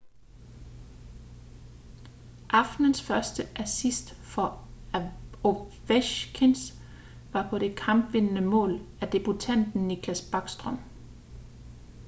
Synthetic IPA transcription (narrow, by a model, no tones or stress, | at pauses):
ʔɑ̈fd̥nənsfɶɐsd̥əʔæsisd̥fɒ̽ | oʋeɕkʰens | ʋɑ̈pʰɒ̽de̝kʰɑ̈mb̥ʋe̝nənəmɔ̰̽ːlæd̥e̝b̥ut͡sʰæn̰d̥n̩ːikʰlæsb̥ɑ̈ɡ̥sd̥ʁɒ̽m